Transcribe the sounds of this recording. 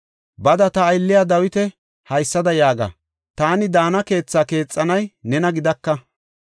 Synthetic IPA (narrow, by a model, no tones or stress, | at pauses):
bɐd̪ɐt̪ɐːjlːɪjaːd̪ɐwɪt̪ɛ | hɐjsːɐd̪ɐjaːɡa̰ | t̪aːnɪd̪aːnɐke̞ːt͡sːaːke̞ːt͡sʼːɐnɐjnɛnɐɡɪd̪ɐkːɐ